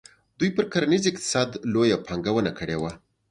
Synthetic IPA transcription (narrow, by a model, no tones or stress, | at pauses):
d̪ujpəɾkaɾanizɪqt̪ɪ̥sɑd̪lojapʰɑŋɡawənakəɽewa